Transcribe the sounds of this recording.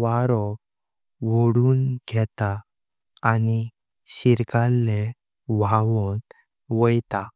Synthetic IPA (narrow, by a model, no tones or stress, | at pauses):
ʋaɾɔk | ʋoɽuːnɡʱɛt̪aː | ni | ɕiɾkalːe | ʋaʋɔn | ʋəjt̪a